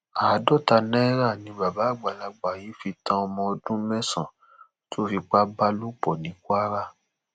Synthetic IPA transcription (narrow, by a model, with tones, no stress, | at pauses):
aː˨˦dɔ˦˨ta˧nɛ̃˦ɾa˦˨nĩ˧˦ba˨ba˨˦˨ɡ͡ba˨la˨ɡ͡ba˨ji˨˦fi˧tã˦ɔ˧mɔ̃˧o˧dũ˦mɛ̃˦sã̰˨ | to˦fi˧k͡pa˦ba˦lu˦k͡pɔ˨nĩ˨˦ku˦a˦ɾa˦